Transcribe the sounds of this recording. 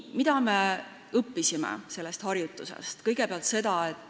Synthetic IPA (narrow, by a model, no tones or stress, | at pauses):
mid̪̥ɑme̞ | ɤpːisimḛse̞lːe̞st̪hɑrjut̪ːˑuse̞̰st̪kɤjɡ̥e̞peɑlt̪se̞d̪̥ɑet̪ːˑ